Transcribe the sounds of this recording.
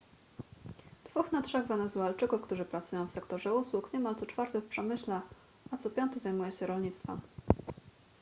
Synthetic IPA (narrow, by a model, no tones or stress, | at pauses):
d̪̥vuxnatʂɛɣvɛnɛzualt͡ʂɘkufkt̪uʐɘpɾat̪sujɔ̃w̃fsɛkt̪ɔʐɛuswukɲɛmalt̪sɔt͡ʂfaɾt̪ɛfpʂɛmɘɕlɛ | at̪sɔpʲjɔnt̪ɛzajmujɛɕɛɾɔlɲit̪st̪fɛ̰m